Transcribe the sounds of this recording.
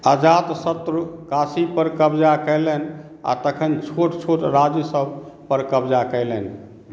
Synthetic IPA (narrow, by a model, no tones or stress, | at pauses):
əd͡ʒat̪sət̪ɾkasipəɾkəbd͡ʒakɛɪlɛn | a̰t̪əkʰənt͡ʃʰoʈt͡ʃʰoʈɾad͡ʒəsəbpəɾkəbd͡ʒakəɪlɛn